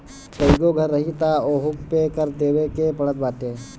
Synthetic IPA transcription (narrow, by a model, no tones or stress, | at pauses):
pɐɪɡoɡʱɐɾːɐɦit̪aoːɦʊkpekəɾt̪eːwekepɐɽɭət̪̚baːʈeː